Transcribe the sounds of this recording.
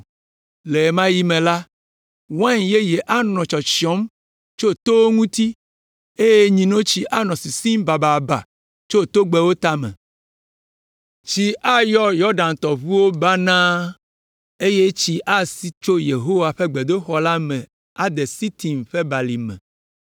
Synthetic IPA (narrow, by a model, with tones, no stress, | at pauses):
le˨mã˦ji˦mẽ˨la˦ | wã˦ɲje˦jɛ˨ʔa˦nɔ̃˨t͡ʃɔ˨t͡ɕi˨ɔ˦m | t͡ʃo˦t̪o˦wo˦ŋũ˦t̪i˦ | e˦je˦ɲĩ˨nõ˦t͡ɕi˦ʔa˦nɔ̃˨si˨si˦mba˨ba˨ba̰˨ | t͡ʃo˦˨t̪o˦ɡ͡bɛ˦wo˦t̪a˦mɛ̰̃˨ | t͡ɕi˦ʔa˦jɔ˦jɔ˦ɾɖa˨nt̪ɔ˨βu˦wo˦ba˦nã˦ | e˦je˦t͡ɕi˦ʔa˦si˦t͡ʃo˦je˨ɦo˦wa˨ɸe˦ɡ͡be˨d̪o˦xɔ˦la˦mɛ̃˨ | a˨d̪ɛ˨si˦t̪i˨mɸɛ˦ba˨li˨mɛ̰̃˨